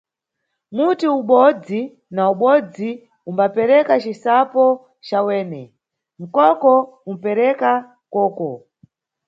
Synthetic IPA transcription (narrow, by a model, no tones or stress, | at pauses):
mutiuɓɔd͡zi | nauɓɔd͡zi | umbapɛɾɛkat͡ʃisapɔ | t͡ʃawɛːnɛ | m̩kɔkɔum̩pɛɾɛka | kɔːkɔ